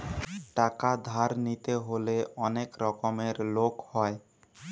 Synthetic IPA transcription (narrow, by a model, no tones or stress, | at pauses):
ʈakad̪ʱaɾnit̪eɦoleɔnekɾɔkomeɾlokhɔe